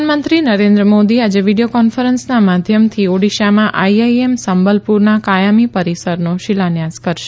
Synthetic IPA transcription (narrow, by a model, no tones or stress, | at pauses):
nmənt̪ɾinəɾẽnd̪ɾəmod̪iad͡ʒeʋiɽijokɔnfəɾənsnamad̪ʱjəmt̪ʰioɽiʃamãʔaiajemsəmbəlpuɾnakajamipəɾisəɾnoʃɪlanjaskəɾʃe̥